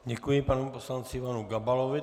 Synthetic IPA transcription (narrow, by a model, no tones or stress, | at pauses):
ɟɛkujɪpanɛposlant͡sɪvanuɡabalovɪ